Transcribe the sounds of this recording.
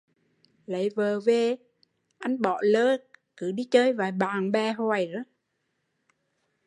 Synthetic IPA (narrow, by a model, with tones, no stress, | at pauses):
lə˨˦jvəː˨˩ve˨˩ | ʔa˧jŋɓɔ̰˧˨ləː˧kɨ˧˦ɗi˧t͡ɕəː˧jvaː˨˩jɓaː˨˩ŋɓɛ˨˩ɦɔː˨˩jzə˨˦